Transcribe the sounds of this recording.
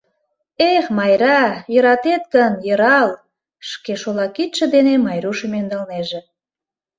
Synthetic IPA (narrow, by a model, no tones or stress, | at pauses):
exmɑjɾɑjə̆ɾɑt̪et̪̚kənjə̆ɾɑl | ʃkeʃolɑkit̪ʃə̆d̪enemɑjɾuʃəmend̪ɑlneʒĕ